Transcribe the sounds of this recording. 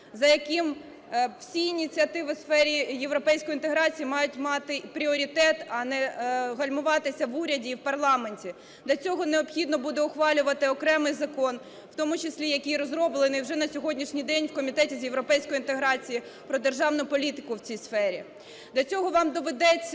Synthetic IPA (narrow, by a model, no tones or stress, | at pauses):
zɐjɐkɪm | wsʲiinʲit͡sʲiɐt̪ɪʋɪsfɛɾʲijeʋɾɔpɛjsʲkɔjint̪eɦɾɑt͡sʲijimɑjʊtʲmɑt̪ɪpɾʲiɔɾʲit̪ɛt̪ɐnɛɦɐlʲmʊʋɑt̪ɪsʲɐʋuɾʲɐdʲiːwpɐrlˠɑme̞nʲtʲi | d̪lʲɐt͡sʲɔɦɔneɔpxʲid̪nɔbud̪ɛɔxʋɑlʲʊʋɐt̪ɪɔkɾɛmɪjzɐkɔn | wt̪ɔmʊt͡ʃɪsʲlʲijɐkʲijɾɔzɾɔblˠenɪwʒɛnɐsʲɔɦɔdʲnʲiʃnʲijd̪ɛnʲwkɔmʲit̪ɛtʲizjeʋɾɔpɛjsʲkɔjint̪eɦɾɑt͡sʲiji | pɾɔd̪erʒɑwnʊpɔlʲit̪ɪkʊwt͡sʲijsfɛɾʲḭ | d̪lʲɐt͡sʲɔɦɔʋɑmd̪ɔʋed̪ɛt͡sʲː